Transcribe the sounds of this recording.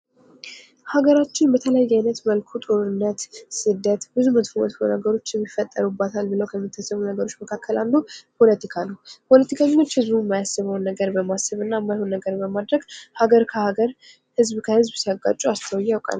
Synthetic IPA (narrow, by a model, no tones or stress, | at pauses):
haɡəɾat͡ʃːɪnbət̪ʰələjajːajnət̪məlkʰut̪ʼo̞ɾɨnːət̪sɨd̪ːət̪bɨzumət̪fmot̪fonəɡəɾo̞t͡ʃːjɛmːifːət̪ʼːə̰ɾubat̪ʰalbɨləwkʰəmːit̪ʰːasːəβunəɡəɾo̞t͡ʃːməkʰakʰːəlalːupʰo̞lət̪ʰikʰanəwpʰo̞lət̪ʰikʰaɲot͡ʃːhɨzbumːajasɨβawnːəɡəɾbəmasəβɨnːajɛmːajhonːəɡəɾbəmad̪ɾəɡ̥haɡəɾkʰəhaɡəɾ | hɨzbkʰəhɨzbsəɡːa̰t͡ʃʼuast̪ʰəwjːawkʼa̰lː